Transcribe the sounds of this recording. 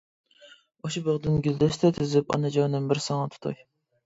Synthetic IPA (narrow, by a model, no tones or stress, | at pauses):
oʃibəʁd̪ɪnɡʲyld̪ɛst̪ʰɛt̪ʰyzypɑ̰nɨd͡ʒɑwnɨmbɪɾsɑŋɑt̪ʰu̥t̪ʰṵj